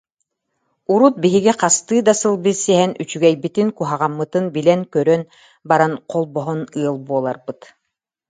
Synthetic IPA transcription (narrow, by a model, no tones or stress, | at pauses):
uɾut̪̚biɦiɡiqast̪ɯːd̪asɯlˠbisiɦɛny̰t͡ʃyɡɛjbit̪iŋkuɦaʁamːɯt̪ɯnbilɛnkœɾœn | baɾanqʰɔlˠbɔɦɔnɯɐlˠbuɔlˠaɾbɯt̪